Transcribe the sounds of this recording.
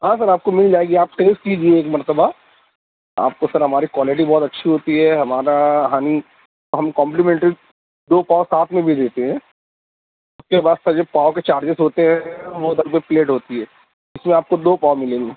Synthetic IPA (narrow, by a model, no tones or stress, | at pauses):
ɦãːsɐɾaːp̚komɪld͡ʒaːeɡiaːp̚ʈeːsʈkid͡ʒieeːkmɐɾt̪əba | a̰ːp̚kosɐɾɦɐmaːɾikwaːlɪʈ̬ibɔːt̪ɐtːʃʰiɦoːt̪iɦɛɦɐmaːɾaɦaːni | t̪oɦɐmkɔ̃ːmplimɛ̃ɳʈɾi | d̪oːpaːosaːt̪ʰmẽbʱid̪eːt̪eɦɛ̃ː | ʊskebaːd̪sɐd͡ʒoːpaːoket͡ʃaːɾd͡ʒɪsɦoːt̪eɦɛ̃ʋod̪ɐlbepleːʈɦoːt̪iɦɛː | ɪsmẽaːp̚kod̪oːpaːwmɪlẽːŋɡe